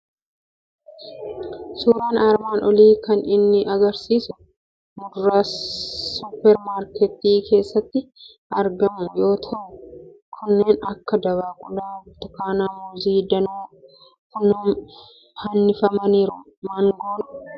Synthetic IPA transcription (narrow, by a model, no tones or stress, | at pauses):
suːɾaːnaːɾmaːnɔliːkɐnɪnːɪɐɡɐɾsiːsʊ | mʊdɾaːsʊpːɛɾmaːɾkɛt̪ːiːkʰe̞ːsːɐt̪ːɪ | ɐɾɡɐmʊjo̞ːt̪ʰɐʔʊ | kʰʊnːe̞ːnɐkːɐd̪ɐβaːkʼʊlaːt̪ʊkaːnaːmʊziːd̪ɐnuː | kʊnuːm | hɐnːɪfɐmɐniːɾʊ | maːŋɡoːnʊ̥